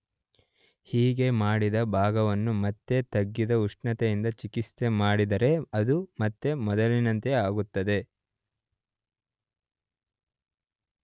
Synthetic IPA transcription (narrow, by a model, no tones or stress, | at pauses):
hiːɡe̞maːɽid̪ɐbʱaːɡɐʋɐnːumɐt̪ːe̞t̪ɐɡːid̪ɐuʂʈɳɐt̪ejind̪ɐt͡ʃikist̪emaːɽid̪ɐɾe̞ɐd̪umɐt̪ːe̞mɔd̪ɐlinɐnt̪eaːɡut̪ːɐd̪e̞